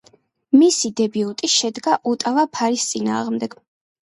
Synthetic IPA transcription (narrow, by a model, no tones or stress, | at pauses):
misid̪ɛbiut̪ʼiʃɛd̪ɡaʔut̪ʼavapʰaɾist̪sʼina̰ːʁmd̪ɛɡ̥